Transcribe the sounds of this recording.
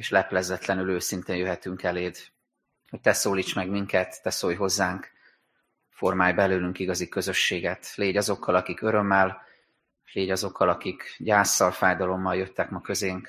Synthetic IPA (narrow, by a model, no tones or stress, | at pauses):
eːʃlɛplɛzɛt̪lɛnyløːsint̪eːnjøɦɛt̪yŋkɛleːd̪ | ho̞c̚t̪ɛsoːliːt͡ʃmɛɡmiŋkɛt̪ːɛsoːjɦo̞zːaːŋk | fo̞rmaːjbɛløːlyŋkiɡɒzikø̞zø̞ʃːeːɡɛt̪leːɟɒzo̞kːɒlɒkikø̞ɾø̞mːɛl | leːɟɒzo̞kʰːɒlɒkikɟaːsːɒlfaːjd̪ɒlo̞mːɒljø̞t̪ːɛkmɒkø̞zeːŋk